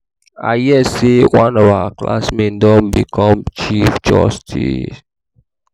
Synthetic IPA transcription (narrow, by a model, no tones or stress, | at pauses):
a̰jɛsewãnɔvaakla̰smẽndɔ̃nbikʰɔ̃mt͡ʃifd͡ʒɔ̰stʰḭs